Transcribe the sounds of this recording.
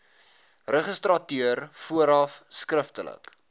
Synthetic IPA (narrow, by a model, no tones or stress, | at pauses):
rəχəstrɐtyərfuəɾɐfskrəftələ̰k